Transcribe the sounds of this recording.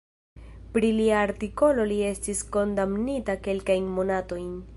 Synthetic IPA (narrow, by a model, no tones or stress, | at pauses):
pɾiliaːɾtiko̞lo̞lie̞stisko̞ndamnitake̞lkajnmo̞nato̞jn